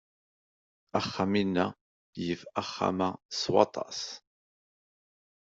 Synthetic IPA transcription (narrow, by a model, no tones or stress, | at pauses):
æχːaminːæ | jəfæχːa̰mæswɑ̰t̪ˤɑ̰s